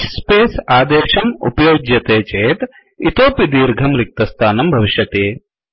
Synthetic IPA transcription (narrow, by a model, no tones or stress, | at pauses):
speːsaːd̪ɐʂɐmṵpɐjoːɡjɐt̪eːt͡ʃeːt̪ | it̪oːpid̪iːɾɡʱɐmɾik̚t̪ɐst̪ʰaːnɐmbʱɐʋiʃjɐt̪eː